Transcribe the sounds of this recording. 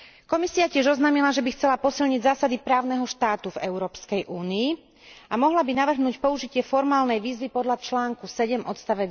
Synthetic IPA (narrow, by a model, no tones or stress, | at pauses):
kɔmisiacɪɛʒɔznaːmilaʒɛbixt͡sɛlapɔsilɲiɟzaːsad̪ipɾaːʊnɛɦɔʃt̪aːt̪uvɛʊɾɔːpskɛjʔuːniː | amɔɦlabinaʋr̩ɦnuːcpɔuʒicɪɛfɔɾmaːlnɛjʋiːzʋipɔd̪ʎat͡ʃlaːŋkusɛɟɛmʔɔt̪st̪aʋɛ